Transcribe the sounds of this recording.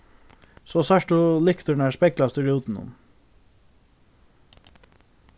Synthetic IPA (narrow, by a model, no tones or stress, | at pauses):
soːsæʃʈʊlɪkt̪əɳæːspɛɡlɑst̪ʉɾɪuːt̪n̩ʊ̰m